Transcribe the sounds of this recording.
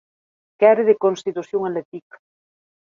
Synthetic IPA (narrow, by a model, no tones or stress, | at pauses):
kɛɾeðekonst̪it̪usjoŋalet̪ik